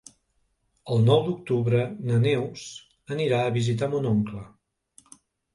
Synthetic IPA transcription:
əlˠnɔwd̪uk̚t̪uβɾənənews | əniɾaəβizit̪̬amunɔŋklə

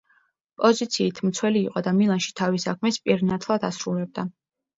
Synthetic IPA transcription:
pʼɔzit̪sʰiːt̪ʰmt̪sʰwɛliːqʼɔd̪amilˠanʃi̥t̪ʰavisakʰmɛspʼiɾnat̪ʰlˠad̪asɾulɛb̚d̪a

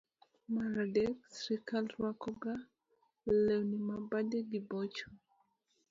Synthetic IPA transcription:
maɾadɛksɾikalrwakɔɡa | lɛwnimabadɛdibɔt͡ʃɔ

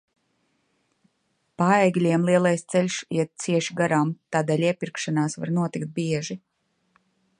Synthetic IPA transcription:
paɛjɡlʲiɛmlˠiɛlˠajst̪sɛlʲʃjɛt̪̚t̪siɛʃiɡaɾaːmt̪aːd̪ɛːlʲiɛpiɾkʃanaːsva̰ɾnuɔt̪ikt̪̚biɛʒi

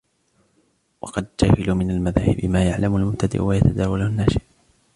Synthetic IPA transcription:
wɑ̰qɑd̪̚d͡ʒahɪluːmɪnalmaðaːhɪbɪmaːjaʕlamʊalmʊbt̪ad̪ɪ̰ʔwajat̪ad̪aːwalʊnːaːʃɪʔ

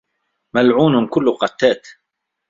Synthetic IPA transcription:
malʕuːnʊmkʊlːʊqɑt̪ːaːt̪

